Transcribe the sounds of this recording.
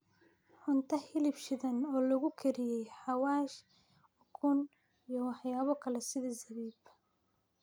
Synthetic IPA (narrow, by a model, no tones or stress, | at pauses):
ħʊnt̪ʰɐhɪlɪbʃɪðɐnɔːlɐɣʊkʰɛɾɪjɛjħɑwɑːʃ | ʊkʰʊn | ijɔwɑħjaːβɔkʰɐlɛsɪðɐzɐβiːb